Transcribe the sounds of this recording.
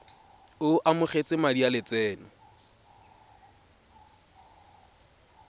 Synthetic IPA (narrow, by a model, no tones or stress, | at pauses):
ʊʔamʊχet͡sʼɪmadialɪt͡sɛːnʊ